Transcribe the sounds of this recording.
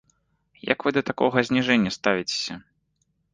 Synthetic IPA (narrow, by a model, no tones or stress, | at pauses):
jɐ̰kvɨd̪ɐt̪akɔɣɐzʲnʲiʐɛnʲːɐst̪avʲit͡sʲe̥sʲɐ